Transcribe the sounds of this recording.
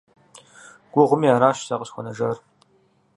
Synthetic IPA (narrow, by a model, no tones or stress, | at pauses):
ɡ̥ʷʊʁʷʊmiaːɾaːʃsaqəɕxʷɔnɐʒɐr